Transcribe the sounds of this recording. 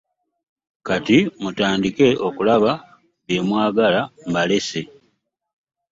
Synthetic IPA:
katimutaːndike̞o̞kulaβa | βje̞ːmwaːɡalambale̞se̞

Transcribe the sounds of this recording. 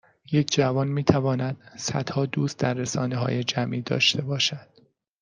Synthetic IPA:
je̞cʰd͡ʒævɒːnmiːt̪ʰævɒːnæd̪̥sæd̪̥hɒːd̪uːst̪̚d̪æɾːesɒːneɦɒ̰ːje̞d͡ʒæmʔiːd̪ɒ̰ːʃt̪e̞bɒːʃæd̪̥

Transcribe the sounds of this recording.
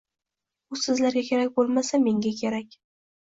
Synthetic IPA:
ʊsɪzlaɾɡʲakʲʰe̞ɾakʲbolˠmasame̞ŋɡʲakʲʰe̞ɾakʲ

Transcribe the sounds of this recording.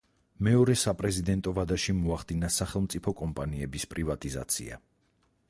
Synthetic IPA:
mɛɔɾɛsapʼɾɛzid̪ɛnt̪ʼɔvad̪aʃimɔaχd̪inasaχɛlˠmt̪sʼipʰɔkʼɔmpʼaniɛbispʼɾivat̪ʼiza̰t̪sʰḭa̰

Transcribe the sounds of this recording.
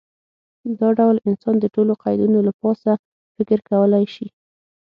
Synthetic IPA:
d̪ɑɖawlɪnsɑnd̪əʈoloqɑjd̪inolapɑsa | fɪkɪɾkawəlajʃi

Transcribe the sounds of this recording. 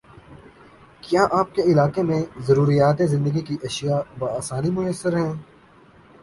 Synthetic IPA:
kjaːʔaːp̚keɪlaːkemẽzɐɾuːɾijaːt̪ezɪ̃nd̪əɡikiʔɐʃijabaaːsaːnimʊjəsːəɾɦɛ̃ː

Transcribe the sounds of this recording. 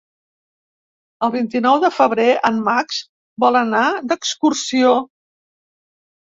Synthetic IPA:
əlˠβint̪inɔwðəfəβ̞ɾeʔənmaks | bɔlˠənad̪əkskursio

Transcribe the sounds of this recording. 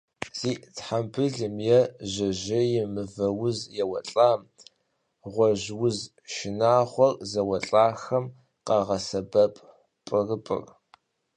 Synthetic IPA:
z̥iːtħambʰɨɮɨmjɛʑɐʑɪjɪmɨvɐwʊzjɛwɐɬʼaːm | ʁʷɔʒwʊz | ʃɪnaːχʷɔrzɐwɐɬʼaːxɐm | qɑʁɐsɐbɐpʼ | pʼɨrɨpʼɨ̰r

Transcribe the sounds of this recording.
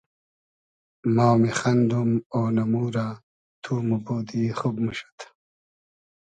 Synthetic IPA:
maːwmeχɐnd̪umoːnɐmuːɾa | t̪ʰumuboːd̪ixubmuɕḁt̪ʰ

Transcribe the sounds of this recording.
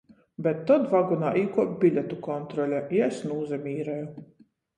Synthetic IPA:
bʲɛt̪ːɔd̪vaɡunaːʔiːkuɔpbʲilʲɛt̪ukɔnt̪ɾɔlʲɛiɛsnuːzɛmʲiːɾɛju

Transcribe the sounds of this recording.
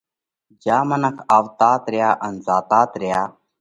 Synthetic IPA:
d͡ʒaːmənəkʰaːʋt̪aːt̪ɾɪjaːʔənzaːt̪aːt̪ɾɪjaː

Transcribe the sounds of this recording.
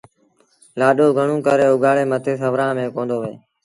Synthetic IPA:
laːɗoːɡʱəɳũːkəɾeːʊɡʱaːɭeːmət̪ʰeːsəʋɾãːmẽːkõːnd̪oːʋḛː

